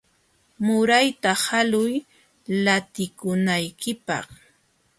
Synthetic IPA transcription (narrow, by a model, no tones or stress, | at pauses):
mʊɾajt̪ahalʊj | lat̪ɪkʊnajkɪpɑ̰χ